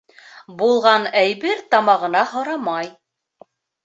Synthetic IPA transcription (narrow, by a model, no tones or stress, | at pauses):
bulˠʁɑnæjβɘɾt̪ɑmɑʁɤ̆nɑɦŏɾɑmɑj